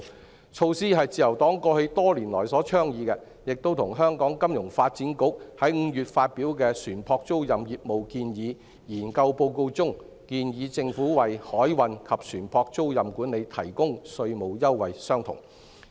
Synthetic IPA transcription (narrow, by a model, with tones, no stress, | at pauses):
t͡ʃʰo˧wsiː˥ɦɐ˨jt͡siː˨˧jɐ˨˩wt̪ɔː˨˥ŋkɔː˧hɵ˧ɥt̪ɔː˥liː˨˩nlɔ̰ː˨˩jsɔː˨˥t͡ʃʰœː˥ŋjiː˨˧kɛ˧ | jɪ˨k̚t̪o˥wt̪ʰʊ˨˩ŋɦœː˥ŋkɔː˨˥ŋkɐ˥mjʊ˨˩ŋfaː˧t̚t͡siː˨˥nkʊ˨˥k̚hɐ˨˥jŋ̩˨˧jyː˨t̚faː˧t̚piː˨˥wkɛː˧syː˨˩npʰɔː˧k̚t͡so˥wjɐ˨mjiː˨t̚mo˨˩wkiː˧njiː˨˧ | jiː˨˩nkɐ˧wpo˧wko˧wt͡sʊ˥ŋ | kiː˧njiː˨˧t͡sɪ˧ŋfuː˨˥wɐ˨˩jhɔː˨˥jwɐ˨˧nkʰɐ˨p̚syː˨˩npʰɔː˧k̚t͡so˥wjɐ˨mkuː˨˥ne˨˧jt̪ʰɐ˨˩jkʊ˥ŋsɵ˧ɥmo˨wjɐ˥wwɐ˨˩jsœː˥ŋt̪ʰʊ̰˨˩ŋ